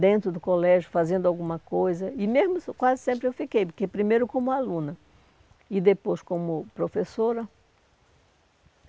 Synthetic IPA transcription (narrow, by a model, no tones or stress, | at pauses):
d̪ẽnt̪ɾʊd̪ʊkolɛʒʊfazẽnd̪ʊawɡũmɐkojzɐɪmezmʊskwazɪsẽmpɾɪewfikejpʊɾkepɾimejɾʊkõmʊalũnɐ | ɪd̪epojskõmʊpɾofesoɾɐ